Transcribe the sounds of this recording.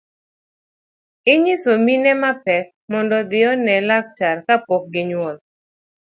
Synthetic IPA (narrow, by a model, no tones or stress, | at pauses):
ɪɲisominɛmapɛk̚mɔndɔd̪ɪɔnɛlak̚t͡ʃarkapɔk̚ɡɪɲwɔl